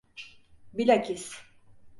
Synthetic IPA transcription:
bilakʲis

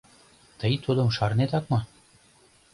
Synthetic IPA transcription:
t̪əjt̪ʰud̪ɤ̆mʃɑɾnet̪ɑk̚mɑ

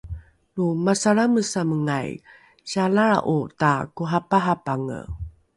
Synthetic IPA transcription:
lumasaɾaməsaməŋaj | ɕalaa̰ʔutakuɦapaɦapaŋə̰

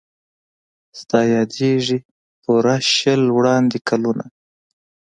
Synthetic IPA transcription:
st̪ɑjɑd̪eʐi | puɾaʃəlwɽɑnd̪ekʰaluna̰

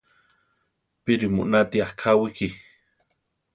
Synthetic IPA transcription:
piɾimṵʔnat̪iahkʰawiki

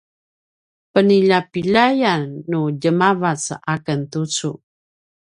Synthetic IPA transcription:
pəniʎapiʎajanːuɟəmavat͡sakəntut͡su

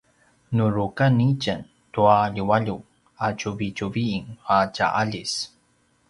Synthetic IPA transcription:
nuɾukanicən | tuaʎuwaʎu | acuvit͡ɕuviːŋaca̰ʔaʎis

